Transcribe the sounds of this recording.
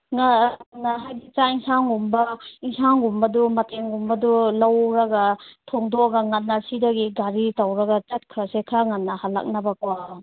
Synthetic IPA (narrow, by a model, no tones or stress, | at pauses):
ŋanːaɦajbit͡ʃaiŋsaŋumbɐiŋsaŋumbɐdumateŋumbɐdulawɾaɡatʰɔŋdɔɡaŋanːasidaɡiɡaɾitawɾɐɡat͡ʃat̚kʰɾasekʰaŋanːahalːa̰k̚nabakwa